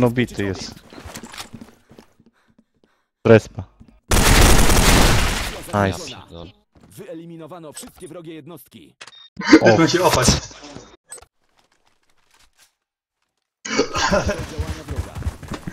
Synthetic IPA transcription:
nɔbʲit̪ɘjɛst̪ | ɾɛspa | ajs | vɘɛlʲimʲinɔvanɔfʂɘst̪̚kʲɛvɾɔɡʲɛjɛd̪nɔst̪̚kʲḭ | ɛaɕɛɔpat͡ɕ | ld͡ʑawaɲavɾɔɡa̰

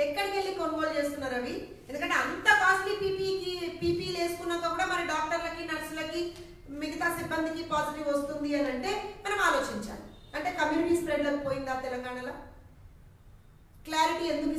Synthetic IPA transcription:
ɛkːɐɽikeɭːikonʋoːlt͡ʃeːst̪unːaːɾɐʋi | end̪ukɐɳʈeɐnt̪ɐkaːskipipiipiːpiːle̞ːsu̥kunːɐkɐpuːɽaːmɐnɐɖaːk̚ʈɐɾlɐkinɐɾslɐki | miɡɐt̪aːsibːɐnd̪ikipaːt̪ɐʈiʋɐst̪und̪iɐnɐɳʈe̞ːmɐnɐmaːlo̞ːt͡ʃiɲt͡ʃa̰ːn | ɐɳʈeːkɐmjuːniʈiːspɾeɖlɐkupoːjind̪aːt̪ɛlɐŋɡaːɳɐloː | kljaːɾiʈiːend̪uki

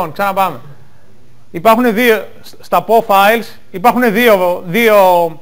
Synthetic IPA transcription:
onksɐnɐpɐme̞ | ipɐɾxune̞ðio | st̪ɐpofɐils | ipɐɾxune̞ðioðio

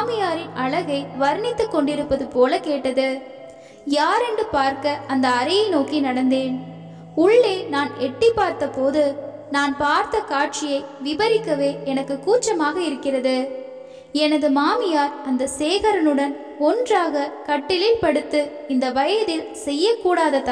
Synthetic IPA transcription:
mɪjaːɾɪnɐɭɐɣɐɪʋɐɾnɪt̪ːɯkːɔɳɖɪɾɯpːɐðɯpoːlɐkeːʈːɐðɯ | jaːɾɛɳɖɯpaːɾkɐɐnd̪ɐːɾɐjɐɪnoːkinɐɽɐnd̪eːn | ʊɭːeːnaːnɛʈːɪpːaːɾt̪ɐpoːðɯ | naːnpaːɾt̪ɐkaːʈ̚t͡ʃɪjɐɪʋɪbɐɾɪkːɐʋeːɛnɐkːɯkːuːt͡ʃːɐmaːɣɐɪɾɯkːɪrɐðɯ | ɛnɐðɯmaːmɪjaːɾɐnd̪ɐseːɣɐɾɐnɯɽɐn | ɔndraːɣɐkɐʈːɪlɪlpɐɽɯt̪ːɯ | ɪnd̪ɐʋɐjɐðɪlsɛjːɐkːuːɽaːðɐt̪ːa

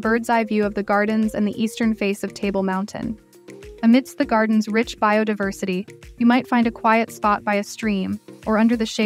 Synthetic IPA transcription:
bɜ˞dzaɪvjʉʌvðɨɡɑɹdⁿn̩zɨ̰̃nðiʔistə̃˞nfeɪsʌv̥tʰeɪbl̩ˠmãʊ̃ntʰɨ̰̃n | ɨmɪd̥st̪̚ðɨɡɑɹdⁿn̩zɹɪt͡ʃb̥aɪoʊdaɪvɜ˞sɨɾijɨmaɪtfãɪ̃ndɨkʰw̥aɪɨtspɑt̚b̥aɪɨstɹ̥ĩmʔə˞ʌ̃ndə˞ðɨʃe

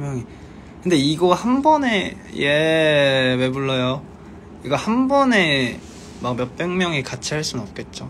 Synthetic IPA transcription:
mjʌŋi | kɯnde̞iɡoɡahambʌne̞ | je | me̞buɭːʌjo | iɡʌhambʌne̞ | mak̚mjʌp͈eŋmjʌŋikat͡ɕʰiɦaɭs͈unɯnʌp̚k͈e̞t̚t͡ɕ͈o

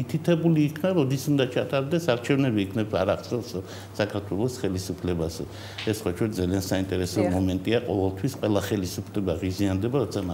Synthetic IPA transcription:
it̪ʰit̪ʰɛbuliːkʰnaɾɔd̪isund̪at͡ʃʰat̪ʼaɾd̪ɛsaɾt͡ʃʰɛvnɛbiːkʰnɛbsaɾaχt̪sʰʼɛlˠs | sakʰaɾt̪ʰwɛlˠɔsχɛlisupʰlɛbasɛ̰ | ɛssχwat͡ʃʰɔɾzaliansaint̪ʼɛɾɛsɔmɔmɛnt̪ʼiaqʼɔvɛlˠt̪ʰwisqʼwɛlˠaχɛlisupʰlɛbaʁiziand̪ɛbaɾɔt̪sʰama

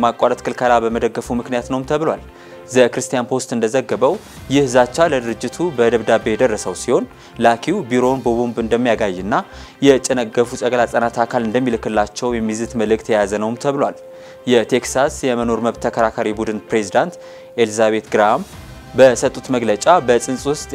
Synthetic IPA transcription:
makʼːaɾət̪kʰɨlkʰəlabəməd̪əɡːəfumɨknijat̪nəwmt̪ʰəβlwal | zəkɾɨst̪ijanpʰo̞st̪ʼɨnd̪əzəɡːəβəw | jɪhzat͡ʃːaləd̪ɨɾɨd͡ʒːɪt̪ʰubəd̪əβd̪abːe̞jɛd̪ərːəsəwsiho̞n | lakʰiwbiɾo̞nbəβombɨnd̪əmːijaɡajːɛnːajɛt͡ʃʼɛnəɡːəfusʼəɡlasʼənat̪ʰakʰalɨnd̪əmːilɨkːɨlːat͡ʃːɛwjɛmːizɨt̪məlɨkʼt̪ʰəjazənəwmt̪ʰəβlwal | jɛt̪ʰe̞ksasjɛməno̞ɾməβt̪ːʰəkʰəɾakʰaɾibud̪ɨnpɾezid̪ant̪ | ʔelzaβe̞t̪ɡɨɾam | bəsət̪ʼːut̪məɡlət͡ʃʼabəsʼɨnsʼwʊst̪ʼ

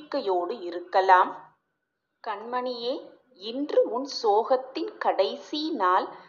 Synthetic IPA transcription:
kːɐjoːɽɯɪɾɯkːɐlaːm | kɐɳmɐɳɪjeː | ɪndrɯʊnsoːɣɐt̪ːɪnkɐɽɐɪsinaːl

